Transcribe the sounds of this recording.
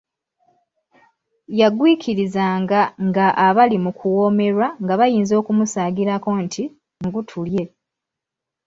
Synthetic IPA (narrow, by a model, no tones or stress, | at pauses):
jaɡwiːkʰiɾizaːŋɡaŋɡaʔaβalimukʰuwo̞ːme̞ɾwaŋɡaβajiːnzo̞ːkumusaːɡiɾako̞ntʰi | ŋɡutʰulje̞